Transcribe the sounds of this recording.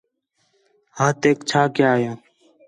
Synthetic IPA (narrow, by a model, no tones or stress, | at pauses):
hãːt̪eːkt͡ʃʰaːkɪjaːjãː